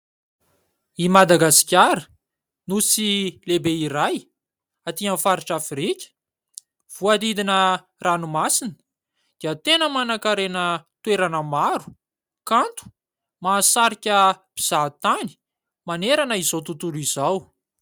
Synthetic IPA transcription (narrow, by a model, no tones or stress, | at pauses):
imad̪aɡasi̥kʲaɾə | nusilebeiɾaj | at̪ianfaɾiʈ͡ʂafiɾikʲə̥ | v̥uad̪id̪inə | ranumasinə̥ | d̪̥iət̪enəmanakaɾenət̪weɾanəmaɾu̥ | kant̪u̥ | maːsaɾikʲəb̥iz̥at̪ani̥ | maneɾanəizowt̪ut̪ulizaw